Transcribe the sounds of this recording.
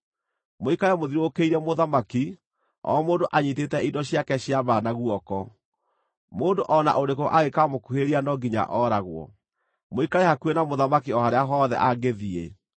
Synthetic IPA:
moikaɾɛmoðiɾokeiɾɛmoðamaki | ɔ̰moːndoʔaɲitetɛidɔɕjakɛɕiaβanaɣuɔkɔ | moːndoʔɔna̰ʔoɾekoʔaɣekamokuheɾianɔɡiɲa̰ʔɔɾaɣwɔ̰ | moikaɾɛhakwenamoðamakiɔhaɾeaɦɔðɛ̰ʔaɡeðie

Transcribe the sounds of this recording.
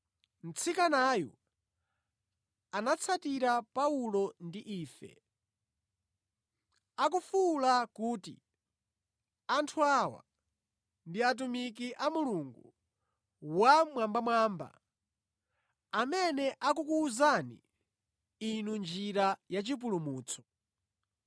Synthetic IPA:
n̩t͡sʰikanajɔ̰ | anat͡sʰatiɾapaulɔndiʔiːfɛ̰ | akufulakuːtḭ | antʰuawa̰ | ndiat̬umik̬iʔamuluŋɡu | wamwambamwaːmba̰ | amɛnɛʔak̬ukuːzanḭ | inund͡ʒiɾajat͡ʃip̬ulumuːt͡sʰɔ̥

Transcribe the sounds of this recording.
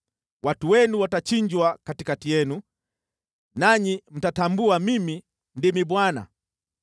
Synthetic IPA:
wʔatuwɛnuwatat͡ʃiɲd͡ʒwakatikatijɛnu | naɲim̩tatambuamimi | ndimiɓwana̰

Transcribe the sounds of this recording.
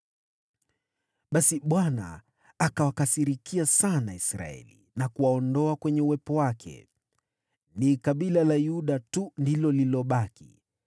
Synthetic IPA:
ɓasiɓwana̰ː | kawakasiɾikʰiasanaisɾa̰ɛ̰lḭ | nakuwaɔndɔakwɛɲɛuwɛpɔwakʰɛ̰ | nikaɓilalajuɗatundilɔlilɔɓakḭ

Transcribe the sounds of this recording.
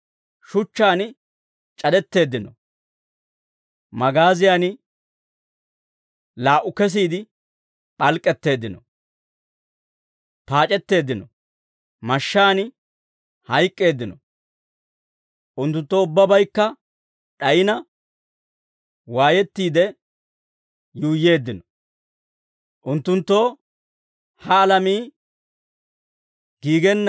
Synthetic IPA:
ʃʊt͡ʃːaːnɪ | t͡ʃʼɐd̪ɛt̪ːe̞ːd̪ːɪnɔ | mɐɡaːzɪjaːnɪ | laːʔʊkɛs̬iːd̪ɪ | pʼɐlkʼːɛt̪ːe̞ːd̪ːɪnɔ | paːt͡ʃʼɛt̪ːe̞ːd̪ːɪnɔ | mɐʃːaːnɪ | hɐjk̪ʼːe̞ːd̪ːɪnɔ | ʔʊnt̪ːʊnt̪ːoːʊbːɐbɐjkːɐ | ᶑɐjɪnɐ | waːjɛt̪ːiːd̪ɛ | juːjːe̞ːd̪ːɪnɔ | ʔʊnt̪ːʊnt̪ːo̞ː | hɐːlɐmiː | ɡ̥iːɡɛnː

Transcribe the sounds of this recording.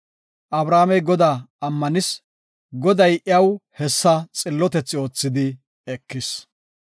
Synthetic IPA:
ʔɐbɾaːmɛjɡɔd̪aːɐmːɐnɪs | ɡɔd̪ɐjʔɪɐwhɛsːɐt͡sʼɪlːɔt̪ɛt͡sːɪo̞ːt͡sːɪd̪ɪ | ɛkːɪs

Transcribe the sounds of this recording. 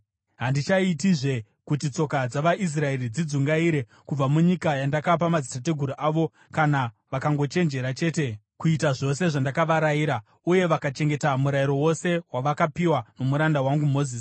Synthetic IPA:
ɦandit͡ʃaitiʐe̞ | kutit͡so̞kad͡zaʋaʔis̬rae̞ɾid͡zid͡zuŋɡaiɾe̞ | kub͡vamuɲikajandakap̬amazitat̬e̞ɡʱuɾuʔaʋo̞ | kana | ʋakaŋɡo̞t͡ʃe̞nd͡ʒe̞ɾat͡ʃe̞ːte̞ | kuitaʐo̞se̞ʐandakaʋaɾaiːɾa | uje̞ʋakat͡ʃe̞ŋɡe̞tamuɾaiɾo̞wo̞se̞waʋakapiwano̞muɾandawaŋɡumo̞ziːs

